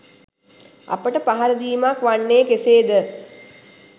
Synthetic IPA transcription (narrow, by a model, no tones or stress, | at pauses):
a̰pəʈəpaɦaɾəd̪iːmakʋanːeːkeseːd̪ə